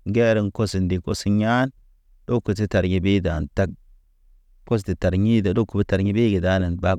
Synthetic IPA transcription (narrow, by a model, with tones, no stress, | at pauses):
ŋ˦ɡe˦ɾi˨ŋko˦si˨ndi˨ko˨si˨ɲa˦n | do˦ku˨si˦ta˨ɾɲi˨bi˦da˨nta˦k̚ | ko˦s̬di˨ta˨ɾɲi˦da˨do˦ku˨bi˦ta˨ɾɲi˦bi˦ɡi˨da˦na˨nba˦